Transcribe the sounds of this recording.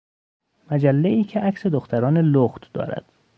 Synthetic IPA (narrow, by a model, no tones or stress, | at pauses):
mæd͡ʒælːeiːcʰeʔæksed̪oxt̪ʰæɾɒːneloɣt̪d̪̥ɒ̰ːɾæ̰d̪̥